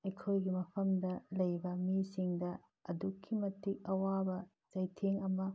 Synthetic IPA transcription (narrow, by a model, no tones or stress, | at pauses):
ɐjkʰojɡimɐpʰɐmdɐlɐjbɐmisiŋdɐ | ɐdukʰːimɐtik̚ɐwabɐ | zɐjtʰeŋɐmɐ